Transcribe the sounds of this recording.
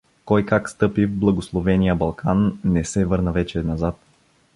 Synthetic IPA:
kɔjkakst̪ɤpivblˠɐɡoslˠovɛnijəbɐlˠkʰanːɛsɛvɤɾnəvɛt͡ʃɛnɐzat̪̚

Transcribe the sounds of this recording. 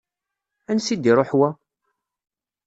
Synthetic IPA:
ænsid̪iɾˤoħwæ

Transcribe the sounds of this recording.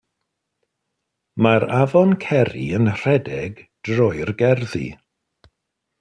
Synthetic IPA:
maɾavɔnkʰɛɾḭənr̥ɛdɛɡd̥rɔɨrɡɛrðḭ

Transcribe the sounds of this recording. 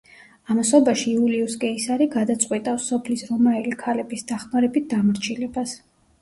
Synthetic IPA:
amasɔbaʃiːuliuskʼɛisaɾiɡad̪at̪sʼqʼwit̪ʼasɔpʰlisɾɔmaɛlikʰalɛbisd̪aχmaɾɛbit̪̚d̪amɾt͡ʃʰilɛbas

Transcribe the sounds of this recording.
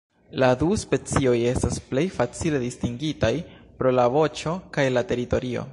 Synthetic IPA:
laduspe̞t͡sio̞je̞stasple̞jfat͡sile̞distiŋɡitajpɾo̞lavo̞t͡ʃo̞kajlate̞ɾito̞ɾio̞̰

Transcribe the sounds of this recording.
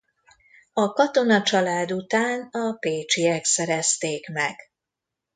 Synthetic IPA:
ɒkɒt̪o̞nɒt͡ʃɒlaːd̪ut̪aːnɒpeːt͡ʃiɛksɛɾɛst̪eːkmɛɡ̥

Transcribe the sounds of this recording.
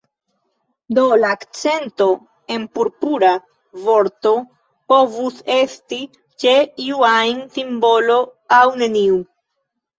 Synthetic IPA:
d̪o̞laːkt͡se̞nto̞ | e̞npuɾpuɾa | vo̞ɾto̞ | po̞vuse̞sti | t͡ʃe̞iuajnsimbo̞lo̞awne̞niu

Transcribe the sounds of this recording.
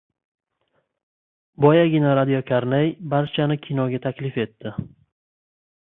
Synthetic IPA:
bɒjaɡʲɪnaɾad̪ijokʲʰaɾnejbaɾt͡ʃʰanɪkʲʰinɒɡʲat̪ʰakʲlɪfe̞t̪ʰːɪ

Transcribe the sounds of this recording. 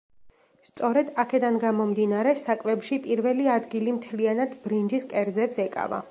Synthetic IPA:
st̪sʼɔɾɛd̪akʰɛd̪anɡamɔmd̪inaɾɛsakʼvɛbʃipʼiɾvɛliad̪ɡilimt̪ʰlianad̪bɾind͡ʒiskʼɛɾd̪zɛpsɛkʼa̰va̰

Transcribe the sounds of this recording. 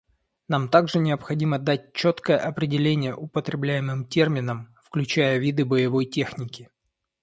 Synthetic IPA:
namt̪aɡʐɨnʲɪəpxɐdʲiməd̪at̚ʲt͡ɕːot̪kəjəʔɐpɾʲɪdʲɪlʲenʲɪjə̰ʔʊpət̪ɾʲɪblʲæjɪmɨmtʲe̞rmʲɪnəmfklʲʉt͡ɕæjəvʲid̪ɨbəjɪvo̞jtʲe̞xnʲɪkʲɪ

